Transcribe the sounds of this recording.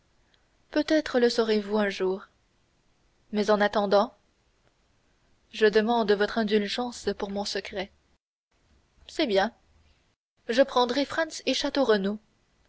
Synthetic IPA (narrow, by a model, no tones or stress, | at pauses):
pøt̪ɛt̪χələsɔʁevuɛ̃ʒuːʁ | mɛzɑ̃nat̪ɑ̃d̪ɑ̃ | ʒəd̪əmɑ̃d̪vɔt̪χɛ̃d̪ylʒɑ̃spuʁmɔ̃səkχɛ | sɛbjɛ̃ | ʒəpχɑ̃d̪ʁɛfχɑ̃nseʃat̪oʁəno